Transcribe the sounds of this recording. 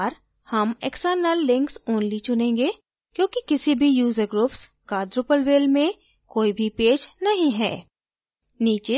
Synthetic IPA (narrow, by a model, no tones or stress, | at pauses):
ɾ | hɐmeksəːɾnəlːɪ̃ŋksoːnlit͡ʃʊnẽːŋɡe | kjõːkikɪsibʱijuːzəɾɡɾʊːps | kaːd̪ɾʊpəlʋeːlmẽ | koːibʱipeːd͡ʒnɐɦĩɦɛ̰ː | niːt͡ʃɪ